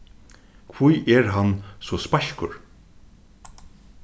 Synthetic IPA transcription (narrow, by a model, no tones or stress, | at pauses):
kʰvujʔɛɹɦansɔspaʃkʊ̰ɹ